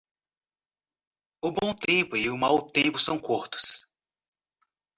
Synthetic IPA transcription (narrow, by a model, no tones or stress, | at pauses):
ʊbõw̃t̪ẽpʊɪʊmawt̪ẽpʊsɐ̃w̃koɾt̪ʊ̥s